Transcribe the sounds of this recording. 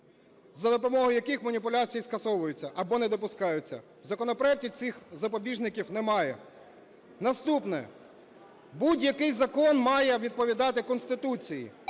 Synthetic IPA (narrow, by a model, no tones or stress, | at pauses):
zɐd̪ɔpɔmɔɦʊjɐkɪxmɐnʲipʊlʲat͡sʲijiskɐsɔʋʊjʊt͡sʲːɐʔɐbɔnɛd̪ɔpʊskɑjʊt͡sʲːɐ̰ | wzɐkɔnɔpɾɔɛk̚tʲisʲixzɐpɔbʲiʒnɪkʲiwnɛmɑjɛ̰ | nɐst̪upnɛ̰ | budʲjɐkɪjzɐkɔnmɑjɛʋʲid̪̚pɔʋʲid̪ɑt̪ɪkɔnst̪ɪt̪ut͡sʲijḭ